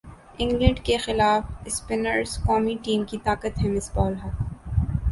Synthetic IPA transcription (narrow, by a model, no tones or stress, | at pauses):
ɪ̃ŋɡlə̃ɳɖkexɪlaːfɪspɪnəɾzkɔːmiʈiːmkit̪aːkət̪ɦɛ̃mɪsbɔːlɦɐt̪